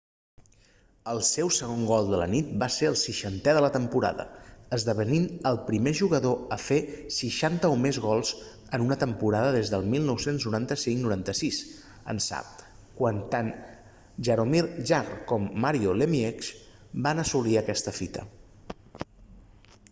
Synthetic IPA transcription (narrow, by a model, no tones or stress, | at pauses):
əlˠsɛwsəɣ̞oŋɡɔlˠd̪ələ̰nit̪̚baseəlˠsiʃənt̪ɛðələt̪əmpuɾa̰ðə̰əzðəβəninəlˠpɾimeʒuɣəðoəfesiʃant̪əumezɣɔlˠz | ənunət̪əmpuɾaðəðezðəlˠmilˠnɔwsenznuɾant̪əsiŋknuɾant̪əsis | ə̰nsa̰p̚ | kwant̪an | ʒəɾomiɾʒarkɔmːaɾiolemieksbanəsuliəkɛst̪əfit̪ə̰